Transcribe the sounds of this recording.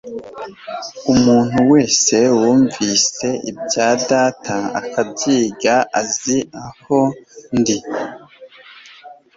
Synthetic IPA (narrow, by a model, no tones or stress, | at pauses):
umuːn̥huwe̞ːse̞wuːɱviːse̞ʔḭbɟaːdaːtʰaa̰kʰabɟiːɡaʔaziaho̞ndi